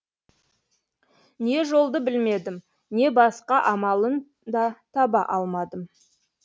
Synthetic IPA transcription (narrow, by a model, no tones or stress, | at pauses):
ne̞ʒo̞lˠd̪əbɪlme̞d̪ɪm | ne̞bɑsqɑʔɑmɑlˠən | d̪ɑt̪ʰɑbɑʔɑlˠmɑd̪əm